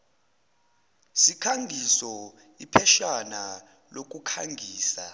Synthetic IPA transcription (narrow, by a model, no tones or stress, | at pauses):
sikʰaŋɡʱisɔ | ipʰɛʃana | lok̬ʼukʰaŋʱiːsa̰